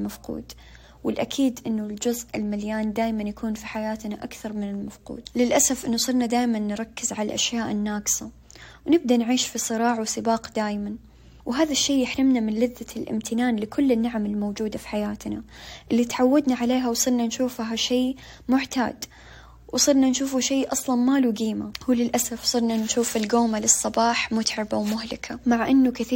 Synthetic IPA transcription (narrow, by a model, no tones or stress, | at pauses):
lmafqṵːd̪ | wɪlʔakʰiːd̪ʔɪnːʊld͡ʒʊzʔɪlmaljaːnd̪aːjmanjakuːnfiħajaːt̪naʔakθɑɾˤmɪnɪlmafqṵːd̪lɪlʔasafʔɪnːʊsˤɨlnad̪aːjmanːɾˤɑkːɪzʕalalʔaʃjaːʔɪnːaːɡɪ̥sa | wnɪb̚d̪anʕiːʃfisˤɨɾˤɑːʕawsɨbɑːqd̪aːjman | wɦaːðaʃːeːjɪħɾɪmnamɪnlɪðːalʔɪ̰mt̪ʰɪnaːnlɪkʰʊlːɪnːaʕamɪlmowd͡ʒuːd̪afi̥ħajaːt̪naʔɪlːit̪ʕawːad̪naʕaleːɦawsˤɨɾnanʃuːfɦaʃeː | mʊʕt̪a̰ːd̪ | wsˤɨɾnanʃuːfuʃeːʔɑsˤlɑnmaːluɡiːmahlɪlʔasafsˤɨɾnanʃuːfɪlɡoːmalɨsˤːɑbɑːħmʊt̪ʕɪbawmʊɦlɪkʰamaʕʔɪnːʊkɪθiː